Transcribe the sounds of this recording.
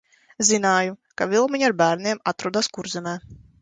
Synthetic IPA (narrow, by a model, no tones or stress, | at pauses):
zinaːjukavʲilˠmiɲaɾbæːɾniɛmat̪ɾuɔd̪aːskuɾzɛmɛː